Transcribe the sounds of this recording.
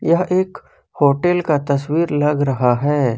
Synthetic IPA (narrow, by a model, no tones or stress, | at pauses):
jɐɦeːk | hoːʈelkat̪ɐswiːɾlɐɡɾɐɦaɦɛː